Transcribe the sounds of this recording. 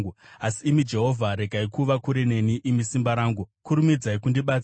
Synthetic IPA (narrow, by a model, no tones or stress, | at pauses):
uasiːmid͡ʒe̞ɦo̞vʱaɾe̞ɡʱaikuʋakuɾene̞niʔimisimbaɾaːŋɡukuɾumid͡zaikundiɓat͡s